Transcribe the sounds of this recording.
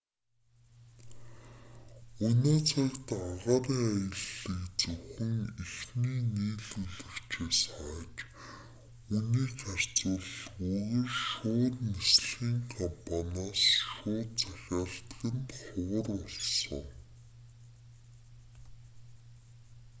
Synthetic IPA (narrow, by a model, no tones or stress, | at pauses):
unoːt͡sʰakt̪aʁaːɾiːŋajə̆ɮĭkt͡sɵxɘ̆ŋixniːniːɮɵɮɵ̆kt͡ɕʰeːsχaːt͡ɕ | uniːkar̥ʲt͡sʊ̆ɮuɣə̆rʃʊːt̪nesɮɣiːŋkʰɔmpʰanaːsʃʊːt̪t͡sæxʲaːɬt̪ɣɘ̆nt̪χʊwə̆rɔɮsɞ̰̆ŋ